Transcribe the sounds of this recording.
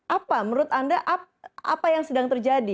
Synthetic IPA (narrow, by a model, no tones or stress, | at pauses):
ʔapaməɾʊt̪andaʔa | a̰pajaŋsədaŋt̪ərd͡ʒadi